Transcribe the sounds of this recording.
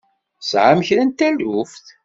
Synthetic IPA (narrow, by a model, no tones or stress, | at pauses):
sʕaməçɾænt̪ælufθ